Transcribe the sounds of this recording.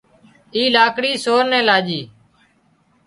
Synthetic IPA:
iːlaːkɽiːsoːɾnɛ̃ːlaːd͡ʒiː

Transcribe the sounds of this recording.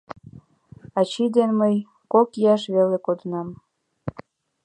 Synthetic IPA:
ɑt͡ɕid̪enməj | kokjɑʃβelekod̪ənɑm

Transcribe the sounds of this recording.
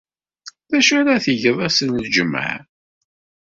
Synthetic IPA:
ðæʃæɾaθəʝəðˤæsənðd͡ʒəmːa̰ʕ

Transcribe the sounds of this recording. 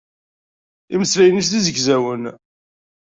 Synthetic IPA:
iməslæjənis̬θizəɡzæwən

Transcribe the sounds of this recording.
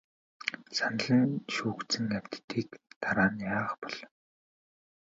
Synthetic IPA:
san̆ɮɘ̆nʃuːktt͡sɘ̆ŋæw̥ʲt̪t̪ːiːkt̪aɾaːnjaːχpɔɮ

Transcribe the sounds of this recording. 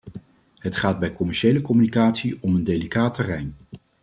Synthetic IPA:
ɦətχaːd̚bɛjkɔmɛɹʃejləkɔmynikaːtsiɔməndelikaːtərɛjn

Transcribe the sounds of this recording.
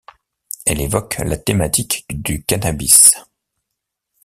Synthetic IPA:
ɛlevɔklat̪emat̪ikd̪ykanabis

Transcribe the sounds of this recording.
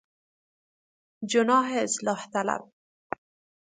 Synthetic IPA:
d͡ʒʊnɑːɦeslɑːht̪ala̰b̚

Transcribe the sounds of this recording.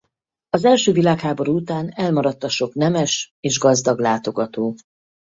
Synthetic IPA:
ɒzɛlʃøːvilaːkhaːbo̞ɾuːut̪aːnɛlmɒɾɒt̪ːɒʃo̞knɛmɛʃ | eːʒɡɒzd̪ɒɡlaːt̪o̞ɡɒt̪oː

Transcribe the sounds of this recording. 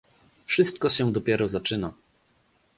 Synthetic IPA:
fʂɘst̪̚kɔɕɛ̃d̪ɔpʲjɛɾɔzat͡ʂɘna

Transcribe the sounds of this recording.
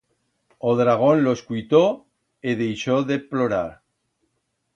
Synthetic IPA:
oðɾaɣ̞onloeskujt̪o | eðejʃoðeploɾaɾ

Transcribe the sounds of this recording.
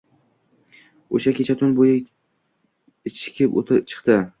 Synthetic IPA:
o̰ʃakʲʰe̞t͡ʃʰat̪ʰʊnbojɪ | ɪt͡ʃɪ̥kʲʰɪpo̰t̪ʰɪt͡ʃʰɨ̥qt̪ɪ

